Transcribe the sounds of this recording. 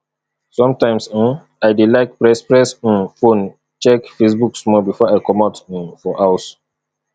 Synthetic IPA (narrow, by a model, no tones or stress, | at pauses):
sɔ̃mtãɪ̃ms̩ | aɪdelaɪk̚pɹɛspɹɛs̩fõn | t͡ʃɛkfesbuksmɔbifɔaɪkɔmaʊt̩fɔʔaʊs